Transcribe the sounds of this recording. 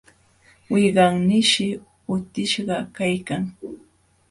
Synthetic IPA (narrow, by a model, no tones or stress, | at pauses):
wɪjɢɑŋnɪʃɪ | ʊt̪ɪʃɢɑkajkaŋ